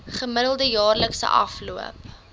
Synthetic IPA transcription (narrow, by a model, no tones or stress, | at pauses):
χəməɾəlˠdəjɑːrləksə̰ʔɐ̰fluə̰p